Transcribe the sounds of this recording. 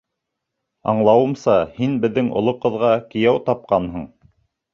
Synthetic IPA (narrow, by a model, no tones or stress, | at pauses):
ɑ̰ɴlˠɑwɤ̆msɑhinbɘ̆ðːɘŋʔŏ̰lˠoqɤ̆ðʁɑkɘ̆jæwt̪ɑp̚qɑnɦɤ̆ɴ